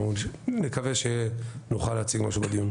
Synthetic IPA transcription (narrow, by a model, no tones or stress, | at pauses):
nekaveʃenuχalːeat͡siɡmaʃubad̪ijun